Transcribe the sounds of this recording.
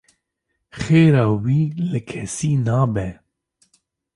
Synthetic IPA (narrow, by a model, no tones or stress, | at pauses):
xeːɾɑːwiːlɨkʰɛsiːnɑːbɛ